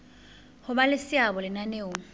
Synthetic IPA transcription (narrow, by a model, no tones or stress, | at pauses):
hʊbalɪsɪabɔlɪnaneːʊ